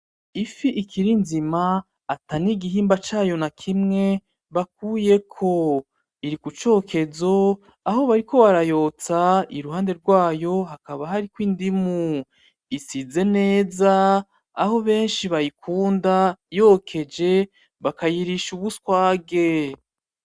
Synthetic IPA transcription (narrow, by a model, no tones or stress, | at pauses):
ifiʔikʰiɾinzimaː | taniɡiɦiːmbat͡ʃaːjo̞nakʰimŋe̞ | βak̚uːje̞kʰo̞ | iɾikut͡ʃo̞ːkʰe̞zo̞ | aɦo̞βaɾiko̞βaɾajo̞ːt͡saiɾuhaːnde̞ɾɡwaːjo̞ɦakaβaɦaɾikwiːndimu | isize̞ne̞ːzaː | ho̞βe̞ːnʃiβajikʰuːndajo̞kʰe̞d͡ʒe̞ | βakajiɾiʃuβuskwaːɡe̞